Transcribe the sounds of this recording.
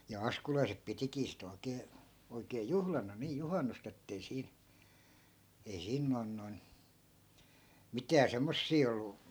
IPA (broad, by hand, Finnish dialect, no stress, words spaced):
jɑ ɑskulɑisep pitikiː sit oi̯keː oikeː juhlɑnɑ niː juhɑnːust etːei siːn̞ ei siːn noi̯n noi̯n mitæː semːosːiː olːu